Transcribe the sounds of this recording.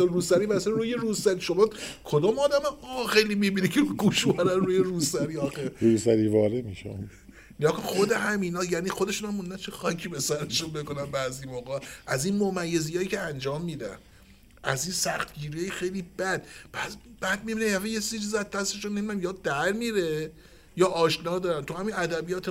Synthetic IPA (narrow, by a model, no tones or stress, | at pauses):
ɾuːsæɾiːbæseɾuːjeɾusæɾiʃomɒːkʰod̪ɒːmɒːd̪æmɛɒxejlimibinekʰeɾuɡuːʃbæɾænruːjeɾuːsæɾiːɒxeɾuːsæɾiːvɒːɾemiʃ | neɡɒːkonxod̪eɦæmiːnɒːjæːniːxod̪e̞ʃunæmmund̪ænt͡ʃʰexɒcʰipe̞sæɾeʃunbeko̞nænbæːzimoɣɒʔæziːnmomæjːezijɒːjicʰeænd͡ʒɒːmːiːd̪æ̰n | ʔæ̰ziːnsæxt̪ɟiːɾijɑːjxe̞jlibæd̪pʰæsb̥æd̪̚mibineæfejesizit͡ʃʰizæzd̪æst̪eʃunːemid̪æmjɒːd̪æɾmiːɾe | jɒːʔɒːʃnɒːd̪ɒːɾænt̪ʰuhæminæd̪æbijɒːt̪ʰe